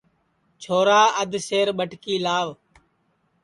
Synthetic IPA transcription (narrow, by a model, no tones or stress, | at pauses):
t͡ʃʰoːɾaːəd̪ʱseːɾɓəʈkiːlaːʋ